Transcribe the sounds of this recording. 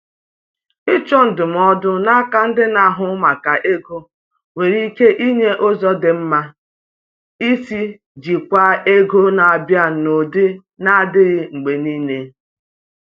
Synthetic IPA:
ɪ˦t͡ʃɔ˦n̩˨dʊ˨m̩˨˦ɔ˦dʊ˦na˦ka˦n̩˦dɪ˦na˨ɦʊ˦ma˨ka˨ʔe˦ɡo˦ | we˨ɾi˦ke˦ʔi˦ɲe˦ʔo˦zɔ˦dɪ˨m̩˦ma˦ | i˦si˦ | d͡ʒi˨kʷa˦e˦ɡo˦na˨a˨bja˦˨no˨de˦ | na˦˨dɪ˦ɾɪ˦ŋ͡m̩˨ɡ͡be˨ni˦ne˦

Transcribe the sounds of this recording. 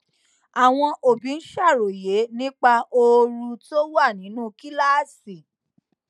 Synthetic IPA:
a˨w̃ɔ̃˧ʔo˨bĩ˨˦n̩˦ʃa˦˨ɾo˨je˨˦nĩ˦k͡pa˧o˧ɾu˧to˦wa˦˨nĩ˨˦nũː˦˨˧ki˦la˦˨si˨

